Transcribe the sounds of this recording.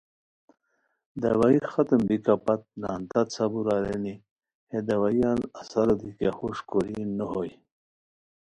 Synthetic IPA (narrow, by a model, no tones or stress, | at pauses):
d̪awaixat̪əmbikapat̪̚naːnt̪at͡sʰabuɾaɾeni | hed̪awajanasaɾod̪ikaxuʂkoɾinəɦoj